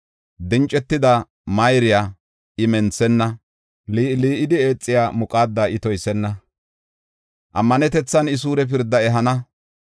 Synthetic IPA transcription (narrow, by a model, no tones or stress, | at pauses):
d̪ɪnt͡ʃʼːɛt̪ːɪd̪ɐ | mɐjɾɪjaː | ɪmɛnt͡sːɛnːɐ | liːliːʔɪd̪ɪe̞ːt͡sʼːɪjaːmʊkʼaːd̪ːɐɪt̪ɔjsɛnːɐ | ʔɐmːɐnɛt̪ɛt͡sːɐnɪs̬uːɾɛp̬ɪɾd̪ːɐɛɦɐnɐ